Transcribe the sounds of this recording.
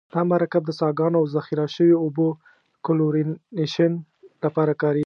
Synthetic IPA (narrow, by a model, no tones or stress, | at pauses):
d̪̥ɑmaɾakab̚d̪əsɑɡɑnoawzaxiɾaʃəwoobo | kʊloɾineʃən | lapɑɾakɑɾi